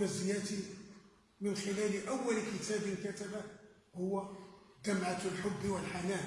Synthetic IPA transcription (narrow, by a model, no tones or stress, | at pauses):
əzɪjæt̪i | mənxɪlælʔawːalkət̪æbəlkæt̪aba | hʊwːad̪amʕat̪lħʊbːwəlħanæ